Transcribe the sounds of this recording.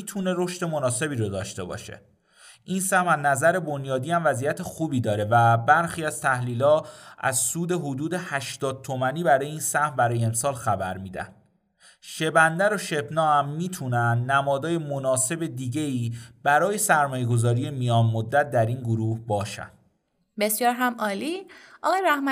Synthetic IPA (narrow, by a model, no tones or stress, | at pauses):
mit̪ʰune̞ɾo̞ʃt̪e̞monɒːse̞biːɾod̪ɒːʃt̪e̞bɒ̰ːʃḛ | ʔinsæhmænːæzæɾe̞bo̞njɒːd̪iːæmvæzijæt̪ʰe̞xuːbiːd̪ɒːɾe̞væbæɾxiːæz̥t̪ʰæhliːlɒːʔæ̰zsuːd̪e̞ɦod̪uːd̪e̞hæʃt̪ɒːd̪̚t̪ʰo̞mæniːbæɾɒːjeiːnsæhmbæɾɒːjeemsɒːlxæbæɾmiːd̪æ̰nd̪̥ | ʃe̞bænd̪æɾoʃe̞bnɒːæmːiːt̪ʰunænd̪næmɒːd̪ɒːje̞monɒːse̞bed̪iːɟe̞iːb̥æɾɒːje̞sæɾmɒːje̞ɡo̞zɒːɾije̞mijɒːnmod̪ːæt̪̚d̪æɾinɡoɾuːhbɒːʃæ̰nd̪̥ | be̞sjɒːɾɦæmʔɒːliːʔɒɣɒːjeɾæhmæ